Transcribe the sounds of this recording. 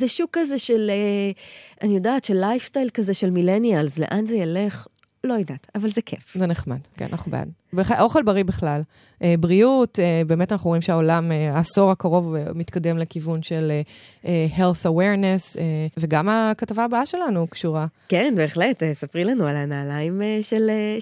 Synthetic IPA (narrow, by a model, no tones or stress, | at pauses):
zeʃukːazeʃele | ʔanijodaːtʃelːajfstajlkazeʃelmilenialzle̞ʔanzejale̞χ | lojidatavalzekʰefzeneχma̰dkḛna̰na̰χnubḛja̰dbeχaʔo̞χelbaʁibeχlal | ʔebʁiutebe̞ːmetanaχuʁimʃeaolameaso̞ʁakaʁo̞vemitkade̞mlekivunʃe̞leehelθaweʁneseve̞ɡamakatavaːbaaʃe̞lanukʃuʁakenbe̞ːχletesapʁilanualanaːlaimeʃele